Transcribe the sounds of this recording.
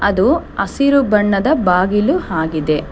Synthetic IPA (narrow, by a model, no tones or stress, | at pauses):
ɐd̪uɐsiɾubɐɳːɐd̪ɐbaːɡiluhaːɡid̪e̞